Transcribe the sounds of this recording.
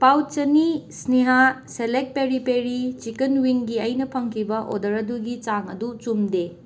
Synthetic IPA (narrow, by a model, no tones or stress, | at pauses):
pawt̚t͡ʃɐnisniɦa | selek̚peɾipeɾit͡ʃikɐnwiŋɡiɐjnɐpʰɐŋkʰibɐʔo̰dɐɾɐduɡit͡ʃaŋɐdut͡ʃumde